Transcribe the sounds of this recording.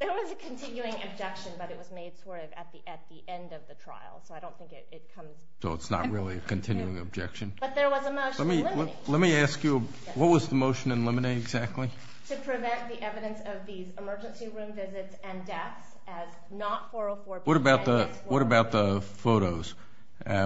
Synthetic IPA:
ðə˞wʌzɨkʰɨ̃ntʰɪ̃njʉɪ̃ŋɨ̰b̚d͡ʒɛkʃɨ̃nbʌɾɨt̚wʌzmeɪd̥sɔɹɾʌvɨ̰t̪̚ðiʔɨt̪̚ðiʔɛ̃ndʌvðɨtʰɹ̥a̰ɪl̩ˠsoʊaɪɾõʊ̃nθɪ̃ŋkɪɾɪt̚kʰʌ̃mz̥soʊətsnə̰t̚ɹɪlˠiɨkʰɨ̃ntʰɪ̃njʉɪ̃ŋɨ̰b̚d͡ʒɛ̰kʃɨ̃nb̥ʌt̪̚ðə˞wʌzəmoʊʃlɛ̃mi | lɛt̚miæskjɨ | wʌt̚wʌzðəmoʊʃɨ̃nɨ̃nlɪ̃məneɪɨɡzæk̚tʰˡli | tʰɨpʰɹ̥ɨvɛ̃nðiʔɛvɨɾɨ̃nsʌvðizɨmɜ˞d͡ʒɨ̃nsiɹʉ̃ɱvɪzɨtsɨ̃ndɛθs | ɨz | nətfə˞əfɔɹbwʌɾəbaʊt̪̚ðə | wʌɾəbaʊt̪̚ðəfoʊɾoʊz̥

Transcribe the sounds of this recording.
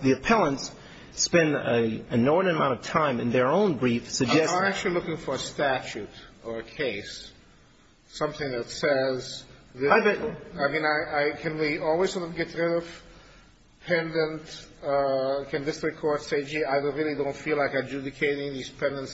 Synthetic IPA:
ðiɨpʰɛlˠə̃ns | pɛ̃ndɨɨnɔɹdn̩ɨmãʊ̃ntʌv̥tʰãɪ̃mɨ̃nðə˞õʊ̃nbɹifsɨɡ̚d͡ʒɛaɪæk̚t͡ʃʉl̩ˠilʊkɪ̃ŋfə˞ɨstæt͡ʃʉɾə˞ɨkʰeɪs | sʌ̃mθɪ̃ŋðɨtsɛzðɪbɛaɪmĩnaɪʔaɪkʰɨ̃nwiɔlˠwiz̥sɔɾʌvɡɛtɹɪɾʌv̥ | pʰɛ̃ndə̃nt | kʰɨ̃nðɪsɹ̥ɨkʰɔɹdseɪd͡ʒiaɪðəɹɪlˠidõʊ̃ntfilaɪkaɪd͡ʒʉdɨkʰeɪɾɪ̃ŋðiz̥pʰɛ̃ndə̃nts

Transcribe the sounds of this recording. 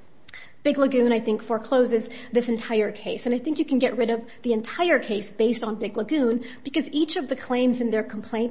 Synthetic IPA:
b̥ɪɡləɡʉ̃ñaɪθɪ̃ŋkfɔɹkʰl̥oʊzɨzðɪsɨ̃n̩tʰaɪə˞kʰeɪsɨ̃naɪθɪ̃ŋkjɨkɨ̃n̩ɡɛʔ̚ɹɪɾʌv | ðiɨ̃ntʰaɪə˞kʰeɪsb̥eɪstn̩bɪɡləɡʉ̃nb̥ɨkʌzit͡ʃʌvðɨkʰl̥ẽɪ̃mzɨ̃nðə˞kʰm̩pʰl̥ẽɪ̃n

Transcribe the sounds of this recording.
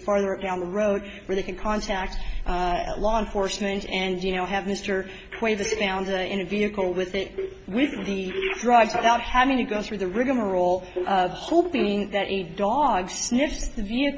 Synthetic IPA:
fɑɹðə˞ʌp̚d̥ãʊ̃nðəɹoʊd̚ | wə˞ðeɪkɨ̃nkʰɑ̃ntʰæk̚t̚ | lɔə̃ɱfɔɹsmɨ̃ntɨ̃njɨñoʊɨvmɪstə˞ | kʰw̥eɪvɨsfãʊ̃ndɨ̃ñɨviɨkl̩ˠwɪðɪt̚ | wɪðɨdɹʌɡzwɨθaʊt̚hævɪ̃ŋtʰɨɡoʊθɹʉðɨɹɪɡɨmə˞oʊlˠʔʌv̥hoʊpɪ̃ŋðɨɾʔɨdɔɡsnɪfsðɨviɨk

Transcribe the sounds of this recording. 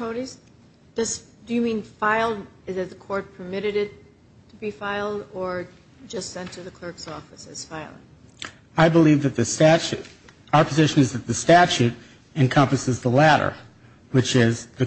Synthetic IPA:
oʊɾiz̥ | d̥ʌs | d̥ɨjɨmĩnfaɪlˠd̚ɨzɨt̪̚ðəkʰɔɹt̚pʰə˞mɪɾɨɾɪtʰ | əbifaɪlˠdə˞ | d͡ʒʌstsɛ̃ntʰɨðɨkʰl̥ɜ˞ksɔfɨsɨz̥faɪlˠɪ̰̃ŋ | aɪbəlivðɨt̪̚ðɨstæt͡ʃʉ | aʊə˞pʰəzɪʃɨ̃nɨzðɨt̪̚ðɨstæt͡ʃʉɾ | ɨ̃nkʰʌ̃mpɨsɨzðəlæɾə̰˞ | wɨt͡ʃɪzðɨ

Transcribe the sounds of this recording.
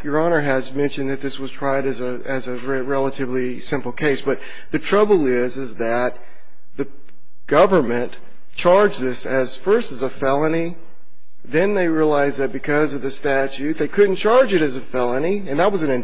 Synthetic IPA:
jə˞ɑnə˞ɨzmɛ̃nʃɨ̃nðɨt̪̚ðɪswʌz̥tʰɹ̥aɪɾɨzɨ | ɨzɨɹɛɹɛlˠəɾɨvli | sɪ̃mpl̩ˠkʰeɪsb̥ʌt̪̚ | ðɨtʰɹ̥ʌbl̩ˠɪzɨzðɨt̪̚ | ðɨ | ɡ̥ʌvə˞mɨ̃n | t͡ʃʰɑɹd͡ʒðɪsɨz̥fɜ˞stɨzəfɛlˠəni | ðɨ̃nðeɪɹiəlaɪzðɨt̚b̥ɨkʰʌzʌvðɨstæt͡ʃʉt̪̚ðeɪkʰʊdⁿn̩t͡ʃʰɑɹd͡ʒɨɾɨzɨfɛlˠə̃niɨ̃nðət̚wʌzɨ̃nɨ̃n

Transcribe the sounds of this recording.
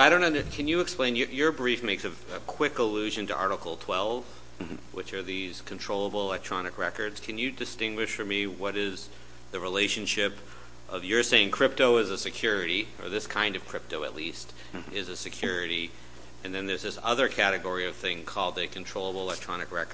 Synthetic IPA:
aɪɾõʊ̃nʌ̃ndə˞kʰɨ̃njɨːksplẽɪ̃njəjə˞bɹifmeɪksɨ | ɨkʰw̥ɪkəlʉʒɨ̃ntʰə̰ʔɑɹɾəkl̩ˠtʰw̥ɛlˠv̥ | wɨ̰t͡ʃə˞ðiz̥kʰn̩tʰɹ̥oʊlˠəbl̩ˠəlɛk̚tʰɹ̥ɑnɨkɹɛkə˞dz̥kʰɨ̃njɨdɨstɪ̃ŋɡwɨʃfə˞miwʌɾɪz | ðɨɹileɪʃɨ̃nʃɪp | ʔʌvjə˞seɪɪ̃ŋkʰɹ̥ɪp̚toʊɨzɨsɨkʰj̥ʊɹɨɾi | ə̰˞ðɪskʰãɪ̃ndʌv̥kʰɹ̥ɪp̚toʊɨ̰tˡlist | ɪzɨsɨkʰj̥ʊɹɨɾi | ɨ̃nðɨ̃nðə˞zðɪsʌðə˞kʰæɾɨɡɔɹiʌv̥θɪ̃ŋkʰɔlˠd̪̚ðɨkʰn̩tʰɹ̥oʊlˠəbl̩ˠəlɛk̚tʰɹ̥ɑnɨkɹɛkə˞

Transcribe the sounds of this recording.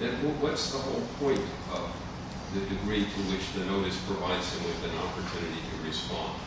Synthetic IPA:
ɨ̃nwwʌtsðəhoʊlˠpʰɔ̃ɪ̃nt | ʌv | ðɨdɨɡɹiɾɨwɪt͡ʃðɨnoʊɾɨspʰɹ̥ɨvaɪdz̥ɨ̃mwɨðɨ̃nɑpə˞tʰʉnɨɾiɾɨɹɨspɑ̰̃nd̥

